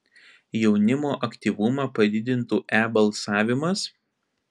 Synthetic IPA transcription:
jɛʊnʲɪmoːʔɐkʲt̪ʲiːˑʋʊmɑːpɐd̪ʲɪd̪ʲɪnt̪uːʔæːbɐlˠsɑːʋʲɪmɐs

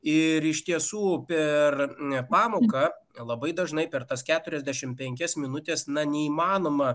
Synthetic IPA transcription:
ɪɾɪʃt̪ʲiɛsuːpʲɛrpɑːmoːkɐlˠɐbɐɪd̪ɐʒnɐɪpʲɛrt̪ɐskʲæːt̪ʊɾʲɛzʲd̪ʲæʃʲɪmpʲɛŋʲkʲɛsmʲɪnʊt̪ʲeːsnɐnʲɛiːmɑːnoːmɐ

